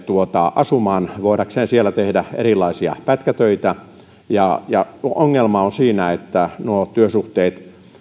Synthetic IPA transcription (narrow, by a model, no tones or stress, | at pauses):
t̪uot̪ɑ̰ʔɑsumɑːnʋoiɾɑkseːnsielːæt̪ehdæḛrilːˑɑisiɑ̰pæt̪kæt̪øit̪æ | jɑjɑoŋːelmɑonsiːnæet̪ːænuot̪yøsuht̪eːt̪